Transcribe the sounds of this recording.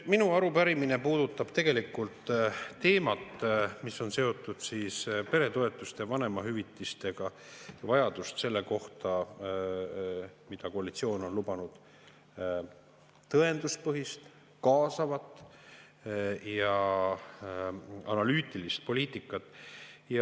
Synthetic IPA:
minuɑɾupæɾiminepuːd̪̥ut̪ːˑɑb̥t̪e̞ɡ̥e̞likult̪ːe̞ːmɑt̪ːˑmiso̞nse̞o̞t̪ːˑud̪̥siːspe̞ɾe̞t̪o̞e̞t̪ːˑust̪evɑne̞mɑɦyvit̪ːˑist̪e̞ɡ̥ɑjɑvɑjɑd̪ust̪se̞lːe̞ko̞ht̪ɑ | mid̪̥ɑko̞ɑlit̪sio̞ːno̞nlubɑnud̪̥ | t̪ɤe̞nd̪̥uspɤɦist̪ | kɑːsɑvɑt̪ːˑ | jɑ | ɑnɑlyːt̪ˑilist̪̚po̞lʲiːt̪ˑikːˑɑt̪ːˑjɑ

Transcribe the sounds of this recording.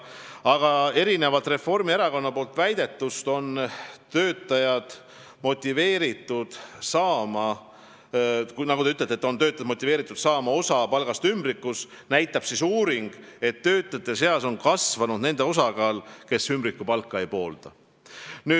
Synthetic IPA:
ɑɡ̥ɑe̞ɾine̞vɑlt̪ˑre̞fo̞rmieɾɑko̞nːɑpoːlt̪væjd̪̥e̞t̪ːˑust̪o̞nt̪ø̞ːt̪ːˑɑjɑd̪̥ | mo̞t̪ʲːive̞ːɾit̪ːˑud̪̥sɑːmɑ | nɑɡut̪eyt̪ːlet̪ːet̪ːo̞nt̪ø̞ːt̪ːˑɑjd̪mo̞t̪ʲːˑive̞ːɾit̪ːˑud̪sɑːmɑo̞sɑpɑlɡ̥ɑst̪ymbɾikːˑus | næjt̪ːˑɑb̥sisuːɾiŋɡ̥e̞t̪ːø̞ːt̪ːˑjɑt̪ːˑe̞se̞ɑso̞nkɑsvɑnud̪ne̞nd̪e̞o̞sɑɡɑːlke̞symbɾikːˑupɑlkːɑejpo̞ːld̪̥ɑ | nyː

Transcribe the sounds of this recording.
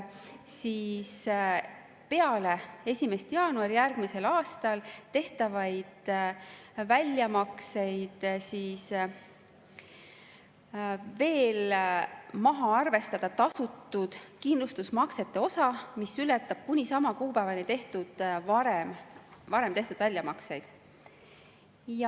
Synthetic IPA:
siːs | pe̞ɑle̞e̞sʲime̞st̪jɑːnuɑɾijærɡ̥mise̞lɑːst̪ɑlt̪e̞ht̪ɑvɑjd̪̥ | vælʲjɑmɑkse̞jd̪̥siːs | ve̞ːl | mɑɦɑɑrve̞st̪ɑd̪̥ɑt̪ɑsut̪ːˑud̪̥kind̪lust̪usmɑkse̞t̪ːˑe̞o̞sɑmisylet̪ːˑɑb̥̚kunʲisɑmɑkuːpæːvɑnʲit̪e̞ht̪ud̪̥vɑɾemvɑɾe̞mt̪e̞ht̪ud̪̥vælʲjɑmɑksejd̪̥ | jɑ

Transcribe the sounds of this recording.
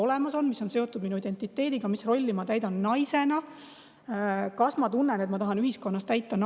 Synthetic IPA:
o̞le̞mɑso̞nmiso̞nse̞o̞t̪ːˑud̪minuid̪e̞nt̪ˑːit̪ːe̞ːd̪iɡ̥ɑmisro̞lʲːimɑt̪æjd̪̥ɑnːɑjse̞nɑ | kɑsmɑt̪unːene̞t̪mɑt̪ɑɦɑnyɦhisko̞nːɑst̪æjt̪ːˑɑn

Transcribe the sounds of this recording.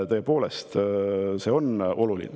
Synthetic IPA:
t̪ɤːepo̞ːlest̪se̞ːo̞no̞lulḭn

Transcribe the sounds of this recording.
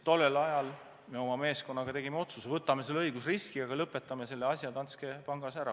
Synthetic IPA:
t̪o̞lːelɑjɑl | me̞o̞mɑme̞ːsko̞nːɑɡ̥ɑt̪e̞ɡ̥imeo̞t̪susevɤt̪ːˑɑme̞selːɤjɡ̥usriskiɑɡɑlɤpːet̪ːˑɑmese̞lːeɑsʲjɑt̪ɑnske̞pɑŋɡ̥ɑsæɾɑ

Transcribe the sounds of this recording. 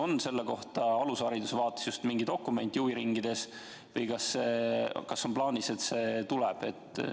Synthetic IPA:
o̞nse̞lːeko̞ht̪ɑɑlusɑɾid̪usevɑːt̪ːˑe̥sjust̪miŋɡ̥id̪o̞kːume̞nʲt̪ˑjuːviɾiŋɡ̥id̪̥e̞s | vɯjkɑsːekɑsːo̞nplɑːnise̞t̪se̞ːt̪ulɛb̥e̞̰t̪ˑ

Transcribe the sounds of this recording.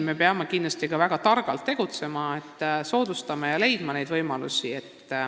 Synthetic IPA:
me̞peɑmekind̪lɑst̪ikɑvæɡ̥ɑt̪ɑrɡ̥ɑlt̪ːe̞ɡ̥ut̪se̞mɑet̪ːso̞ːd̪ust̪ɑmɑjɑle̞jd̪̥mɑne̞jd̪̥vɤjmɑlṵsie̞t̪ː

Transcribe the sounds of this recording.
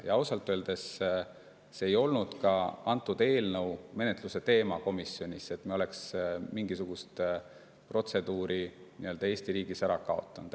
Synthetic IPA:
jɑɑwsɑlt̪ːˑøːld̪̥e̞s | se̞ːjo̞lnud̪̥kɑɑnt̪ːˑud̪̥e̞ːlnəwme̞net̪ˑluse̞t̪e̞ːmɑko̞misːjo̞nʲise̞t̪mio̞le̞ksmiŋɡisuɡ̥ust̪ | pro̞t̪se̞d̪̥uːɾinḭøld̪ɑe̞ːst̪iɾiːɡ̥isæɾɑkɑo̞̰t̪ˑːɑnud̪̥

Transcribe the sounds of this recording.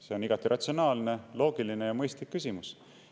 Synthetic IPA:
se̞o̞niɡ̥ɑt̪ːˑiɾʔɑt̪sio̞nɑːlne̞lo̞ːɡ̥iline̞jɑmɤjst̪likːysʲimus

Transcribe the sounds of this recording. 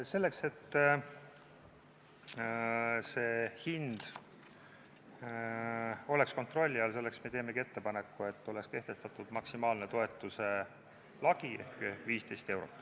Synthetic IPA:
se̞lːe̞kse̞t̪ː | se̞ːhind̪̥ | o̞le̞ksko̞nt̪ro̞lʲːiɑls̬e̞lːeksme̞t̪e̞ːme̞ɡie̞t̪ːepɑne̞kːue̞t̪ːo̞lekske̞ht̪e̞st̪ɑt̪ːˑud̪̥mɑksimɑːlne̞t̪o̞e̞t̪ːˑuse̞ | lɑɡ̥ie̞̰hkviːst̪e̞jst̪e̞wɾo̞̰t̪ːˑ

